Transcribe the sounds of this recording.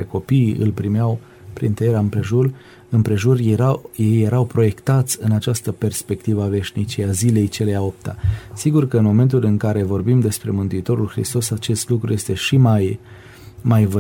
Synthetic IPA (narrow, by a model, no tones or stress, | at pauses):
eko̞piːɨ̰lpɾimjaw | pɾḭnt̪əjeɾaɨmpɾe̞ʒur | ɨmpɾe̞ʒurajejːe̞ɾawpɾo̞je̞kt̪at̪sʲɨnat͡ʃast̪əpe̞rspe̞kt̪ivəave̞ʃnit͡ʃiazile̞jt͡ʃe̞lejao̞p̚t̪a̰siɡurkəɨnmo̞me̞nt̪ulɨŋkaɾe̞vo̞rbimd̪e̞spɾe̞mɨnt̪uit̪o̞ɾulxɾḭst̪o̞sat͡ʃe̞st̪lukɾuje̞st̪e̞ʃimaj | majvə